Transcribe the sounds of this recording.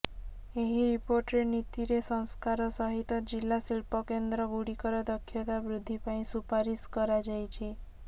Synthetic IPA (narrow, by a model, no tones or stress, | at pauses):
eɦiɾipoɾʈɾenit̪iɾesɔŋskaɾɔsɔɦit̪ɔd͡ʒilːasiɭpɔkend̪ɾɔɡuɽikɔɾɔd̪ɔkʰːjɔt̪abɾud̪ʱːipaĩsupaɾiskɔɾad͡ʒajt͡ʃʰi